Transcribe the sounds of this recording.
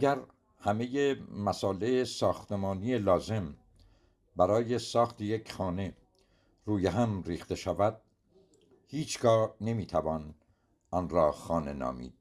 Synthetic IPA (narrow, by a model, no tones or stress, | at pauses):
æɡæɾ | hæme̞jemæsɒːleesɒːxt̪e̞mɒːnijelɒːze̞m | bæɾɒːje̞sɒːxt̪ʰeje̞cʰxɒːne̞ | ruːjeɦæmriːxt̪e̞ʃævæd̪̥̚ | hiːt͡ʃʰɡɒːne̞miːt̪ʰævɒːn | ʔɒnɾɒːxɒːne̞nɒ̰ːmḭːd̪̥̚